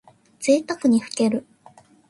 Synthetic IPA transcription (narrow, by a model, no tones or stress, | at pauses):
d͡z̥eːt̪akɯ̟ɲ̟iɸɯ̟̥ke̞ɾɯ̟